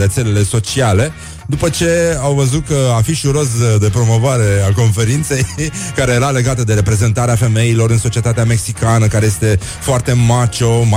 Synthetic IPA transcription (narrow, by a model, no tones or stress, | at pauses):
ɾe̞t̪se̞le̞le̞so̞t͡ʃiale̞ | d̪upət͡ʃe̞awvəzut̪̚kəafiʃuɾo̞sd̪e̞pɾo̞mo̞voaɾe̞ako̞nfe̞ɾint̪se̞jkaɾe̞jeɾale̞ɡat̪əd̪e̞ɾe̞pɾe̞ze̞nt̪aɾeafe̞me̞ilo̞ɾɨnso̞t͡ʃiet̪at̪eame̞ksikanəkaɾe̞jest̪e̞ | foart̪e̞mat͡ʃo̞m